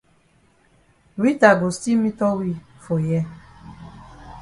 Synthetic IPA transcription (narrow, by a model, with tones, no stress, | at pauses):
wi˦ta˨ɡo˨sti˦mĩ˦tɔ˦wi˦ | fo˨jɛ˦